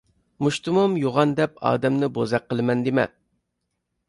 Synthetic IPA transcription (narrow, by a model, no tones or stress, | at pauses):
muʃt̪umumjoʁɑnd̪ɛpɑ̰ːd̪ɛmnɪbozɛqːəlˠɨmɛnd̪ɪmɛ̰